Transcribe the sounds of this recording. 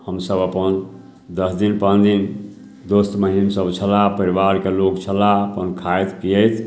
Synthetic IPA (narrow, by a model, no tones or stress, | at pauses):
həmsəbəpən | d̪əsd̪inpənd̪in | d̪ost̪məɦinsəbt͡ʃʰəlapəɾibaɾkelokt͡ʃʰəlaəpənkʰajt̪kijət̪ʰ